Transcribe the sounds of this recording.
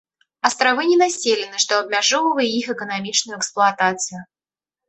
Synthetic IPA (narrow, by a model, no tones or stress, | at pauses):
ɐst̪ɾavɨnʲɪnasʲelʲɪnɨʂt̪oɐb̚mʲaʐovəvəjʲɪixɛkənamʲit͡ʂnʊjʊɛksplˠʊɐt̪at̪sɨjʊ